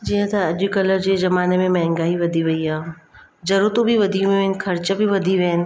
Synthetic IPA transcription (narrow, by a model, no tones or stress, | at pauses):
d͡ʒiɦə̃t̪ɐɐʄkɐləd͡ʑezɐmaːnemẽmɐ̃ɦɪ̃ŋɡaːiʋɐd̪ʱiʋɐiaːɦd͡ʒɐɾut̪õbʱiʋɐd̪ʱiʋeɪnɪ̆kʰɐɾt͡ɕəbʱiʋɐd̪ʱiʋeːɪnɪ̆